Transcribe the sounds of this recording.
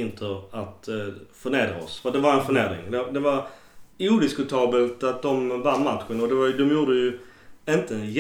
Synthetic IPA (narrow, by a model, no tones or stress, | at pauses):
ɪnt̪ʰəɾat̪fœɾɳeːd̪ɾa̰ɔ̰sfɔd̪ɛvaɾɛnfœɾɳeːd̪ɾɪ̰ŋd̪ɛd̪ɛvaɾ | uːd̪ɪskɵt̪ʰɑːbəlt̪at̪̚d̪ɔmvanːmat̪ɧənɔd̪ɛvad̪ɔmjuːɖəjɵ | ɪnt̪əj